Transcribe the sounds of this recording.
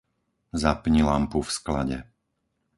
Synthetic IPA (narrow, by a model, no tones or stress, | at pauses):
zapɲilampufskla̰ɟɛ